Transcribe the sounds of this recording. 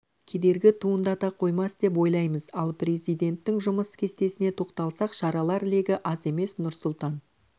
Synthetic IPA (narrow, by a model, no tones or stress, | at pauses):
kʲʰe̞d̪e̞ɾɡʲɪt̪ʰuənd̪ɑt̪ɑqʰo̞jmɑsd̪e̞p̬wo̞jlˠɑjməzɑlˠpre̞zijd̪e̞nt̪ːɪŋʒʊməskʲʰe̞st̪e̞sɪne̞t̪ʰo̞qt̪ɑlˠsɑqʃɑɾɑlˠɑɾle̞ɡʲɪʔɑze̞me̞snʊɾsʊlˠt̪ɑn